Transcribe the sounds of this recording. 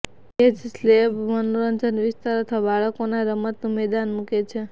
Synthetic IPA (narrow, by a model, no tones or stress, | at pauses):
ed͡ʒslebmənoɾənd͡ʒənʋɪst̪aɾət̪ʰʋabaɭəkonaɾəmət̪numed̪anmũket͡ʃʰe